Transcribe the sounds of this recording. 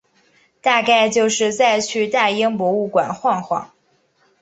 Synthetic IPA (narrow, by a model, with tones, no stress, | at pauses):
t̪a˥˧ka˥˧ɪt͡ɕjo˥˧ʊʂɻ̩˥˧t͡sa˥˧ɪt͡ɕʰy˥˧t̪a˥˩i˥ŋpwɔ˧˥u˥˩kwa˨˩nxwɑ˥˧ŋxwɑ̰˥˩˦ŋ